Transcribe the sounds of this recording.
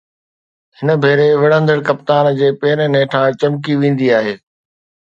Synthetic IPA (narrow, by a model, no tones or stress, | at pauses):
hɪnə̆bʱeːɾeʋɪɽə̃nd̪əɾkɐpt̪aːnd͡ʑeːpeːɪɾənẽːʈʰãt͡ɕɐmk̬iʋĩːn̆d̪iaːɦeː